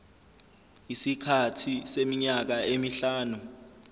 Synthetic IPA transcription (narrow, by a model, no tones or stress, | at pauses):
isikʰatʰisemiɲak̬aemiɬaːnu